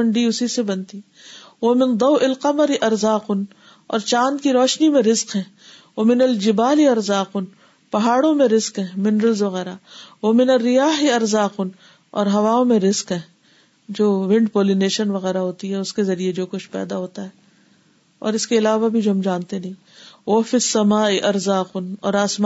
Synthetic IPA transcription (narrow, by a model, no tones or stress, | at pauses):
ɐ̃ɳɖiʊsisebɐnt̪i | ʋɐmɪ̃nd̪ɐwʔɪlqɐməɾɪʔɐɾzaːqʊn | ɔ̰ːɾt͡ʃãːnd̪̚kiɾɔːʃnimẽɾɪzqɦɛ̃ː | ʋɐmɪnɐld͡ʒɪbaːlɪɐɾzaːqʊn | pɐɦaːɽõmẽɾɪzqɦɛ̃ːmɪnɾəlzʋɐɣɛːɾaʋɐmɪnɐrːɪjaːɦɪɐɾzaːqʊn | ɔ̰ːɾɦɐʋaːõmẽɾɪzqɦɛ̃ː | d͡ʒoːʋɪ̃ɳɖpoːlineːʃənʋɐɣɛːɾaɦoːt̪iɦɛʊskezɐɾied͡ʒoːkʊt͡ʃʰpɛ̰ːd̪aɦoːt̪aɦɛː | ɔ̰ːɾɪskeɪlaːʋabʱid͡ʒoɦɐmd͡ʒãːnt̪enɐɦĩ | ʋɐfisːɐmaːɪʔɐɾzaːqʊnɔ̰ːɾaːsma